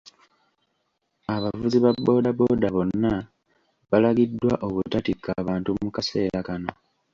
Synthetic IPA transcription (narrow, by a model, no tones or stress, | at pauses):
aβavuziβabːo̞ːdabo̞ːdaβo̞nːa | βalaɡidːwaʔo̞βutatikːaβaːntumukase̞ːɾakano̞